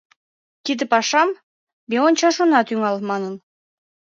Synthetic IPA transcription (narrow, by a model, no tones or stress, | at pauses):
kid̪ɘpɑʃɑm | bʲeonʲt͡ɕɑʃonɑt̪yŋɑlˠmɑnɤn